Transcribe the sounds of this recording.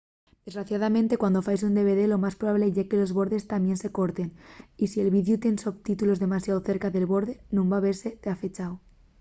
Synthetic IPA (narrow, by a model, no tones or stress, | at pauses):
d̪̥e̞zɣɾaθjaðamẽ̞nt̪ekwand̪o̞fajsund̪e̞β̞e̞ðe̞lo̞maspɾoβaβle̞ʝake̞lo̞zβo̞ɾðe̞st̪amje̞nse̞ko̞ɾt̪e̞nisie̞lβiðjut̪je̞nsoβt̪it̪ulo̞zðe̞masjaoθe̞ɾkaðe̞lβo̞ɾðe̞nũmbaβe̞ɾse̞t̪eafe̞t͡ʃaw